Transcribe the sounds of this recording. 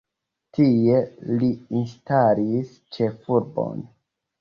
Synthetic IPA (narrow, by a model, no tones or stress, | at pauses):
tie̞liinstalis | t͡ʃe̞fuɾbo̰n